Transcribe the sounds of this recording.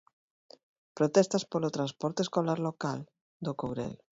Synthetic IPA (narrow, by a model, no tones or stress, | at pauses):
pɾot̪ɛst̪aspolot̪ɾãnspɔɾt̪eskolaɾlokal | d̪okowɾɛ̰l